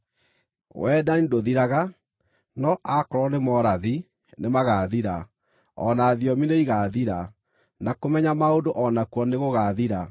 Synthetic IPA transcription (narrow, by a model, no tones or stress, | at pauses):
wɛːdanidoðiɾaɣa | nɔʔakɔɾɔnemɔɾaði | nemaɣaðiɾa | ɔ̰naːðjɔmineiɣaðiɾa | nakomɛɲamaondoʔɔnakwɔneɣoɣaðiɾa